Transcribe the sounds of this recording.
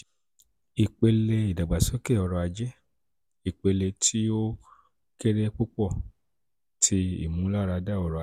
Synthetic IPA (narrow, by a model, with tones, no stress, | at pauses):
i˨k͡pe˧le˧i˨da˨ɡ͡ba˨sɔ˦ke˦˨ɔ˧ɾɔ˧a˧d͡ʒɛ˦ | i˨k͡pe˧le˧tʰi˦o˦ | ke˦ɾe˦k͡pu˦k͡pɔ˦˨ | tʰi˧ḭ˦˨mũ˨˦la˦ɾa˧da˦˨ɔ˧ɾɔ˧˨